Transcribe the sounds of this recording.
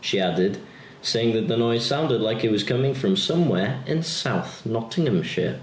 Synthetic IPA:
ʃiædɪd̥ | seɪɪ̃ŋðɨt̪̚ðənɔɪz̥sãʊ̃ndɨdˡlaɪkɨt̚wʌz̥kʰʌmɪ̃ŋfɹʌ̃msʌ̃mwɛɹɨ̃nsaʊθnɑtʰɪ̃ŋɨ̃mʃə̰

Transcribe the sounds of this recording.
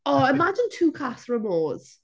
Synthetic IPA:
ʔɔːɪmad͡ʒɪ̃ntʰuːkʰasɹəmɔːz̥

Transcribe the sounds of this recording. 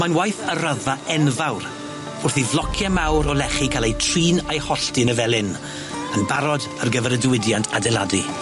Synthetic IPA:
manwajθəɾaðaɛnvawɾ | ʊrθivlˠɔkʰjamawɾɔlɛχikʰalˠejtʰriːnajhɔɬtɨnəvɛlˠɪn | ənbaɾɔdərɡəvɛɾədwɪdjantʰadɛlˠadi

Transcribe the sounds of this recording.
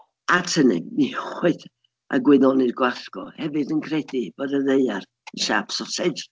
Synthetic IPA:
atʰənɨ̰niχwɪθ | ʔa̰ɡwɪðɔnirɡwaɬɡ̥ɔ̰hɛvɨdənkʰrɛdib̥ɔdəðeɨar | ənʃapsɔsɛdr

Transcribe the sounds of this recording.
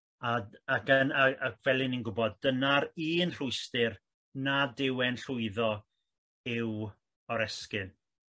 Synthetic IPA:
aakənaakʰv̥ɛlˠɪninɡʊbɔd̚ːənaɾiːnr̥ʊɨstɪr | nadɪwɛnɬʊɨðɔ | ɪw | ɔɾɛskɨn

